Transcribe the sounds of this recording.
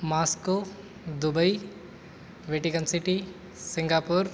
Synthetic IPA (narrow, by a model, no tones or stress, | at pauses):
maːsko | d̪ubəi | ʋeːʈikənsiʈi | siŋɡaːpuɾ